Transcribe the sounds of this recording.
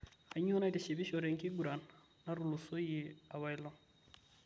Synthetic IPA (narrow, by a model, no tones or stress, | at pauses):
aɲonajtiʃibiʃoɾeŋkiɡuɾanː | aɾulusojiawajloŋ